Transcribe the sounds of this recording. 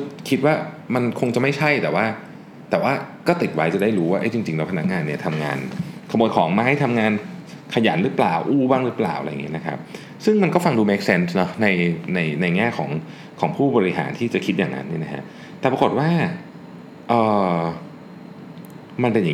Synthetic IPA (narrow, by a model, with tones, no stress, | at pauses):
kʰi˦˥t̪̚waː˥˩ma˧nkʰo˧ŋt͡ɕa˨˩ma˥˩jt͡ɕʰa˥˩jt̪ɛː˨˩waː˥˩ | t̪ɛː˨˩waː˥˩kɔː˥˩t̪i˨˩t̪̚wa˦˥jt͡ɕa˨˩da˥˩jɾuː˦˥waː˥ʔa˦˥jt͡ɕi˧ŋt͡ɕi˧ŋlɛː˦˥wpʰa˧na˦˥k̚ŋaː˧nːi˥˩ɐt̪ʰa˧mŋa̰ː˧nkʰa˧m˨˩j̚kʰɔː˩˦ŋmaː˦˥jt̪ʰa˧mŋaː˧n | kʰa˧jaː˩˦nɾɯ˦˥plaː˨˩wʔuː˥˩baː˥˩ŋɾɯ˦˥plaː˨˩wʔa̰˧jŋi˦˥˧na˦kʰa̰˦˥p̚ | sɯ˥˩ŋma˧nkɔː˥˩fa˧ŋduː˧me˦˥k̚se˦˥nsnɔ˦˥na˧jna˧jna˧jŋɛː˥˩kʰɔ̰ː˩˦ŋ | kʰɔː˩˦ŋpʰuː˥˩bɔː˧ɾi˦˥ɦa̰ː˩˦nt̪ʰiː˥˩t͡ɕa˨˩kʰi˦t̪̚jaː˨˩ŋnʔa̰˦˥nːi˥˩na˦˥kʰa̰˦˥ʔ | t̪ɛː˨˩pɾa˧ko˨˩t̪̚waː˥˩ | ʔɤː˨˩ | ma˧npe˧nja˨˩